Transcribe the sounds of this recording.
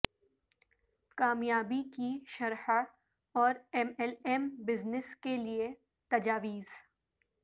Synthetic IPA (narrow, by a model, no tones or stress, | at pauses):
kaːmjaːbikiʃɐɾħa | ɔːɾɛmɛlɛmbɪznɪskelie | t̪ɐd͡ʒaːʋiːz